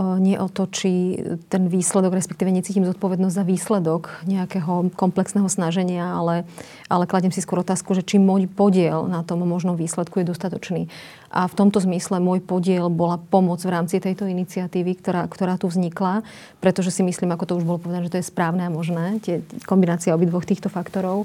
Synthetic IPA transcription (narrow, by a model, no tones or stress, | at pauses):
ɲɪɛʔɔt̪ɔt͡ʃit̪ɛnʋiːslɛd̪ɔɡɾɛspɛkt̪iːʋɛɲɛt͡siːcimzɔt̪̚pɔʋɛd̪nɔzɟzaʋiːslɛd̪ɔkɲɛakɛɦɔkɔmplɛksnɛɦɔsnaʒɛɲɪaalɛ | ʔalɛklaɟɛmsiskwɔɾɔt̪aːskuʒɛt͡ʃimɔjpɔɟɪɛlnat̪ɔmːɔʒnɔmʋiːslɛt̪kujɛd̪ɔst̪at̪ɔt͡ʃniː | ʔaft̪ɔmt̪ɔzmislɛmʊɔjpɔɟɪɛlbɔlapɔmɔd͡zvɾaːmt͡sit̪ɛjt̪ɔinit͡siat̪iːʋikt̪ɔɾakt̪ɔɾaːt̪uvzɲikla | pɾɛt̪ɔʒɛsimisliːmakɔt̪ɔuʒbɔlɔpɔʋɛd̪anɛʒɛt̪ɔjɛspɾaːʊnɛamɔʒnɛːt̪ɪɛkɔmbinaːt͡siaɔbid̪ʋɔxt̪iːxt̪ɔfakt̪ɔɾɔʊ